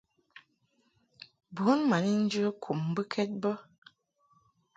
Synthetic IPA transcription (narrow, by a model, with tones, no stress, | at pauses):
bu˨˦nma˨ni˦n̩˦d͡ʒə˦kʰu˨mbə˦kʰɛ˦t̚bə˦